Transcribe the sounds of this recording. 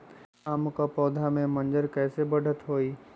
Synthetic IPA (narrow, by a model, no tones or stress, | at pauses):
amkapɔːd̪ʱamẽmə̃nd͡ʒəɾkɛːsebəɽ̤ʱət̪ɦoːiː